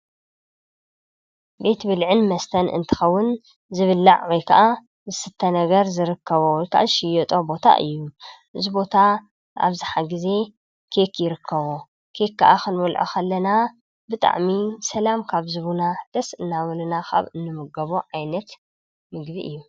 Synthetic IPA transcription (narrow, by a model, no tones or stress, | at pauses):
be̞t̪bɨlʕɨnmɐst̪ʰɐnʔɨ̰nt̪ʰɨ̥xɐwːʊn | zɨβɨlːaʕwojkʰɐʔa | zɨsɨt̪ʰːɐnɐɡɐɾzɨɾɨkʰːɐβowɔjkʰa̰ʔaʃɪjɔt̪ʼo̞bo̞t̪ʰa̰ʔɨ̰jːuʔɨzibo̞t̪ʰa | a̰βzɨħaɡɨze̞ | kʰe̞kjɪɾɨkʰːɐβo | kʰe̞kːɐʔakɨnbɐlʕo̰kʰɐlːɐna | bɨt̪ʼa̰ʕmisɐlamkʰaβzɨβunad̪̥ɐsɨnːawɐlunaxa̰βɨnːɨmɨɡɐβoʕajnɐt̪ | mɨɡbiʔɨjːu